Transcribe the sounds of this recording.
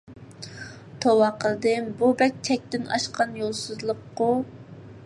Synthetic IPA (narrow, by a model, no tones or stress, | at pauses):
t̪ʰowɑqʰəlˠd̪ɨmbubɛk̚ʲt̪ʰɛk̚ʲt̪ɪnɑ̰ʃqɑnjolˠsɨzlˠəqːo